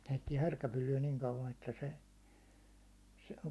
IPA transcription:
heitːiɛ hærkæpylːyæ niŋ kɑuʋɑn etːæ se se

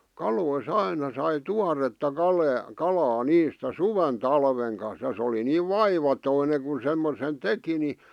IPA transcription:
kɑlois ɑinɑ sɑi tuɑretːɑ kɑleɑ kɑlɑː niːstæ suʋen tɑlʋeŋ kɑn̞s jɑ sĕ oli niːʋ ʋɑiʋɑtoine kun̞ semːosen teki ni

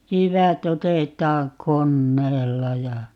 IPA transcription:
jyʋæt otetˑɑːŋ konːeːlːɑ jɑ

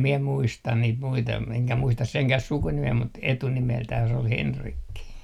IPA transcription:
miɛ muistɑn niːt muitɑ eŋkæ muistɑs seŋkæh sukunimeː mut etunimeltæh se ol henrikːi

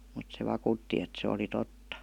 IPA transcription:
mut se ʋɑkuˑtːi et se oli totːɑ

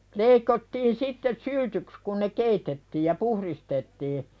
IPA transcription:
leikotːiːn sitːes̆ syltyks kun ne keitetːiːj jɑ puhristetːiː

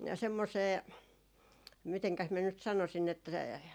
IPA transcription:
semːoseː miteŋkæs miæ nyt sɑnosin etːæ

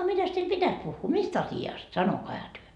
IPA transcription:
ɑ mitæs teil pitæs puhːuː mist ɑsiɑst sɑnokɑihɑ tyø

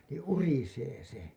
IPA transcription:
niː uriseː se

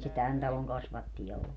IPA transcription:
se tæn tɑloŋ kɑsʋɑtːijɑ olːu

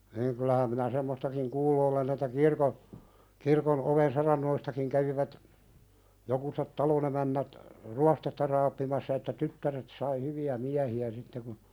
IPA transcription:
niːŋ kylˑæhæm minæ semːostɑkiŋ kuːlːu olen etːæ kirko kirkon ʔoʋen sɑrɑnːoistɑkiŋ kæʋiʋæt jokuset tɑlonemænːæt ruɑstetːɑ rɑːpːimɑsːɑ etːæ tytːæret sɑi hyʋiæ miæhiæ sitːe kun

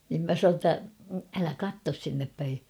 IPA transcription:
nim mæ sɑn̞oː tːæ ælæ kɑtːos sinːep pæi

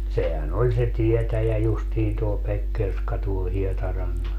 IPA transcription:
sehæn olʲ se tietæjæ justiːn tuo pekːerskɑ tuol hietɑrɑnːɑs

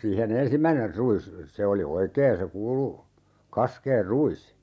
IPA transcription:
siːhen ensimːæiner ruis se oli oikeːn̞ se kuːlu kɑskeːr ruis

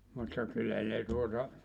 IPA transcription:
mutːɑ kylːæ ne tuotɑ

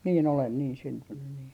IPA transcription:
niː olen niːn syntynːy niː

